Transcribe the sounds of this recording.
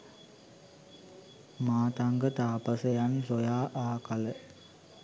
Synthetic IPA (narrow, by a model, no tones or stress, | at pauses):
maːt̪aŋɡət̪aːpəsəjansojaːʔaːkalə